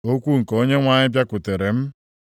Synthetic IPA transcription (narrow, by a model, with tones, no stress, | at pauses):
o˦kʷu˦ŋ̩˨ko˦ɲe˦ŋʷa˦ɲɪ˦bja˦kʷʊ˨te˨ɾe˨m̩˦